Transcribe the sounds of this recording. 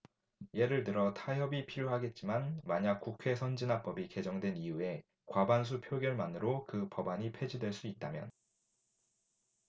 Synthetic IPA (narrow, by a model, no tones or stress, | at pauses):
je̞ɾɯɭtɯɾʌtʰaɦʌbipʰiɾjoɦaɡe̞t̚t͡ɕ͈imanmaɲak̚k͈ukʰe̞sʰʌnd͡ʑinap͈ʌbike̞d͡ʑʌŋdwe̞niue̞ | kwabans̬ʰupʰjoɡjʌɭmanɯɾokɯpʌbaɲipʰe̞d͡ʑidwe̞ɭs͈uit̚t͈amjʌn